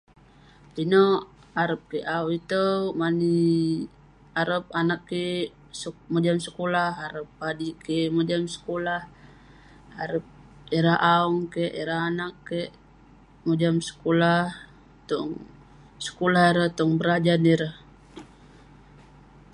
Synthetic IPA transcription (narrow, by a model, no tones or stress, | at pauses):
ino | aɾəp̚keʔauit̪əmani | aɾəp̚anakːe | mod͡ʒamsəkolahaɾəp̚ːadikemod͡ʒamsə̥kolah | aɾəp̚ | iɾaɦʔauŋkeʔiɾaɦanakːeʔ | mod͡ʒamsə̥kolah | t̪ɔŋ | sə̥kolahiɾət̪ɔŋbəɾad͡ʒaniɾəh